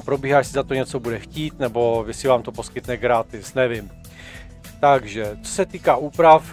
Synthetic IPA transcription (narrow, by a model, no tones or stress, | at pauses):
pɾobiːɦaːjɛsɪzat̪oɲɛt͡sobudɛxciːt̪nɛbo̞vɪsɪvaːmt̪opo̞skɪt̪nɛɡɾaːt̪ɪsnɛvɪm | t̪aɡʒɛt͡so̥sɛt̪iːkaːʔuːpɾaf